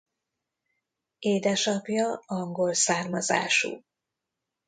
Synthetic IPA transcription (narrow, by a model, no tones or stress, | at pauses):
eːd̪ɛʃɒpjɒɒŋɡo̞lsaːrmɒza̰ːʃṵː